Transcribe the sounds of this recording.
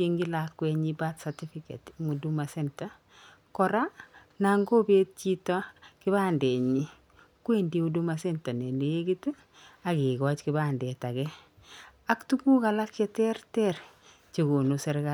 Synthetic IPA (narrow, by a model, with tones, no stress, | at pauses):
e˦ŋɡi˦lakːwɛ˦ɲiba˦tsati˦fikḛ˨tŋu˨du˦ma˨sɛnta˨ | kɔɾa˦ | naŋɡo˦be˦t̚t͡ʃi˦tɔ˦kɪ˦βa˦nde˨ɲi˦ | kwendi˦u˦du˦masɛ˦nta˨ne˨ne˨e˦ɡi˦t | a˨ki˨ɡɔ˦t͡ʃkibandɛ˨ta˨kɛ˦ | a˦ktu˦ku˦ka˨la˦kt͡ʃɛtɛɾtɛ˦ɾ | t͡ʃe˨ɡo˨nu˨sɛ˦ɾɡa